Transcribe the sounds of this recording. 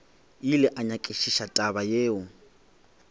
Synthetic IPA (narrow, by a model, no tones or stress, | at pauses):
ilɛʔaɲakʼeʃiʃatʼaβajeːʊ